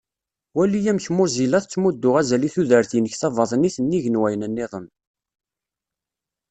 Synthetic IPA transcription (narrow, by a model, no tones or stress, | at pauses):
wælijæmçmʊzilæθt͡sːmud̪ːʊʁæzæliθuðəɾθinəçθɑvɑðˤniθənːiʝənwæjənænːeðˤəm